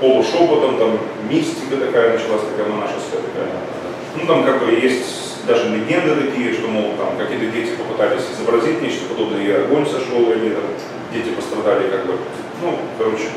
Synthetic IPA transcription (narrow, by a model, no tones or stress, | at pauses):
polˠʊʂopət̪əmt̪amːʲ | isʲtʲɪkət̪ɐkajənət͡ɕɪlˠasʲt̪ɐkajmɐnaʂɨsʲk̪əjət̪ɐka̰jə̰a̰t̪ | nut̪amkaɡ̚bɨjesʲtʲ | d̪aʐɨnʲɪnʲenɨt̪ɐkʲijəʂt̪o̞moɡʊt̪̚t̪a̰mkɐkʲijət̪ədʲetʲɪpəpɨt̪alʲɪsʲɪzəbɾɐzʲitʲnʲet͡ɕt̪əpɐd̪o̞bnəjəiɐɡo̞nʲsɐʂo̞lˠjlʲɪt̪am | dʲetʲɪpəst̪ɾɐd̪alʲɪkaɡ̚bɨ | nukɐɾo̞t͡ɕɪ̥